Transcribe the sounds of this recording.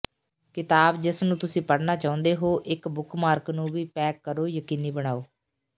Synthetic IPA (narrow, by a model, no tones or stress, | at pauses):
kɪt̪aːbd͡ʒɪsnũːt̪ʊsĩːpəɽnaːt͡ʃaːʊ̃nd̪eːɦoːʔɪkbʊkʰmaːɾknũːʋiːpɛːkːəɾoːjəkiːniːbəɽ̃aːoː